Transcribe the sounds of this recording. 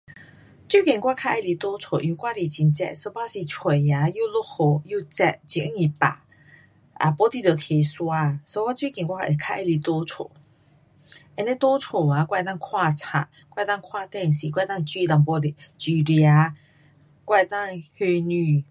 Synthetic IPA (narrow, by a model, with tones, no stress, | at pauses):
t͡ɕi˥˦kɛ̃˨˩ŋkwa˥˧˨kʰa˥˨ʔe˧˨li˧˩t̪o˦t͡sʰo˨˩˨ʔĩ˧˨˦kwa˥˧˨ɾi˨˩t͡ɕi˧nt͡sɛ̰˧ʔso˧˦pa˦˥˨si˨t͡sʰwe˨˩a˨˧˦ju˥˧˨lo˥˨ʔho˨˩ju˥˧t͡sɛ˧˩t̚t͡ɕi˧˨˥ŋi˨pa̰˨ | a̰˨˩pɔ˧˦t̪i˧t̪jo˨˩t̪ʰje˨˧swa˧so˧˦kwa˥˦t͡ɕi˥˦˨kĩ˨˩ŋkʷwa˥kʰe˨˩kʰa˥˧ʔe˧˨li˧t̪o˦t͡sʰo̰˨˩˨ | ʔɛ˧˨nɛ˦t̪o˦t͡sʰo˨˩a˨˦kwa˥˧jt̪a˥˧kʰwa˥˧t͡sʰa̰˧˨˩ | kwa˥˧˨t̪a˥˨ŋkʰwa˥˧t̪ɛ˥˨si˨kwa˥˧t̪a˥˧ŋt͡ɕi˥˧t̪a˨ŋpɔ˧ɾi˧˨t͡ɕi˧ɾja˧˦ | kwa˥˧˨t̪a˥˨ŋhe˧nỹ˧˩